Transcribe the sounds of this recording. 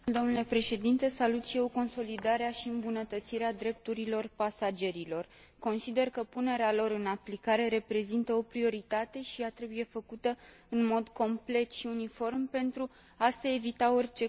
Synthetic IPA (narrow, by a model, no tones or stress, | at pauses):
d̪o̞mnule̞pɾe̞ʃe̞d̪int̪e̞salut̪ʃije̞wko̞nso̞lid̪aɾeaʃiɨmbunət̪ət̪siɾead̪ɾe̞p̚t̪uɾilo̞rpasad͡ʒe̞ɾilo̞r | ko̞nsid̪e̞rkəpune̞ɾealo̞ɾɨnaplikaɾe̞ɾe̞pɾe̞zint̪əo̞pɾio̞ɾit̪at̪e̞ʃijat̪ɾe̞buje̞fəkut̪ə | ɨnmo̞d̪ko̞mple̞t̪ʃiunifo̞rmpe̞nt̪ɾu | aseevit̪ao̞rʲt͡ʃe̞